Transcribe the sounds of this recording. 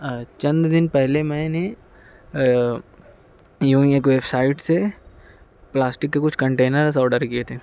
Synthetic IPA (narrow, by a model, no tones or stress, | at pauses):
t͡ʃɐ̃nd̪d̪ɪnpɛɦlemɛ̃ːne | jũːeːkʋeːbsaːɪʈse | plaːsʈɪkːekʊt͡ʃʰkɐ̃ɳʈeːnəɾs̬aːɖəɾkiet̪ʰẽː